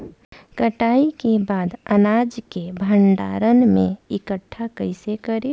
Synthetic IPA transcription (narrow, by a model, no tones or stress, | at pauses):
kəʈaːikebaːd̪ənaːd͡ʒkebʱəɳɖa̰ːɾənmẽɪkəʈʰːakəɪsekəɾe